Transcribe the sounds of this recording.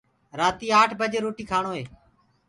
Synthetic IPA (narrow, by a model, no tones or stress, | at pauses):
ɾaːt̪iːaːʈʰbəd͡ʒeːɾoːʈiːkʰaːɳoːɦeː